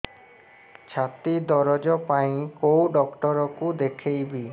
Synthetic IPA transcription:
t͡ʃʰat̪id̪ɔɾɔd͡ʒɔpaj̃kowɖɔkʈɔɾɔkud̪ekʰejbi

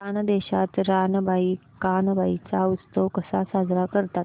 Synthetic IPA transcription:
anəd̪eɕat̪ɾanəbʱai | kanbait͡saust̪əʋkəsasad͡zɾakəɾt̪a

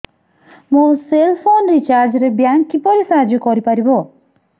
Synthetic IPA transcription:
moselpʰonɾit͡ʃaɾd͡ʒɾebjaŋkːipɔɾisaɦad͡ʒɔkɔɾipaɾibɔ

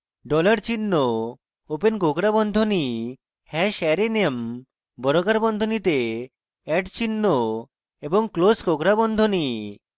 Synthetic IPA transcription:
ɖɔlaɾt͡ɕinːo | openkokɾabɔnd̪ʱoni | hɛʃɛɾenem | bɔɾokaɾbɔnd̪ʱonit̪e | ɛʈt͡ɕinːo | eboŋkloskokɾabɔnd̪ʱoni

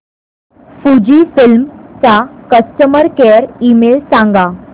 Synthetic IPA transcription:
fud͡ʑiːfilmt͡sakəsʈəməɾkeəɾimelsãŋɡa

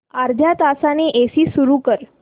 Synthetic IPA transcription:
aɾd̪ʱjat̪asaneʔesiːsuɾukəɾ

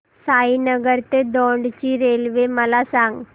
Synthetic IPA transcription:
saːinɐɡɐɾt̪ed̪oːɳɖt͡ɕiɾeːlʋemɐlaːsaːŋɡ

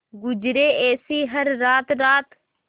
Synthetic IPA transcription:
ɡʊd͡ʒɾeːeːsiːɦəɾːaːt̪ɾaːt̪

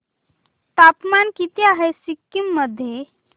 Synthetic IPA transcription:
t̪apmankit̪eaɦesikːimːəd̪ʱːje

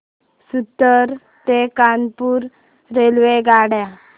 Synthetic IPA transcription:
sut̪ːəɾ | t̪ekanpuːɾː | elʋeɡaɽja

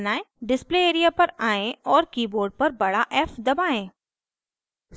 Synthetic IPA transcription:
naːẽɖɪspleeːɾijapɐɾaːẽɔːɾkiːboːɾɖ̚pɐɾbɐɽaʔɛːfd̪ɐbaːẽː

